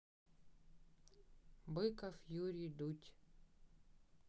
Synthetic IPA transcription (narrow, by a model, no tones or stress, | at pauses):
bɨkɐfjuɾʲijd̪utʲ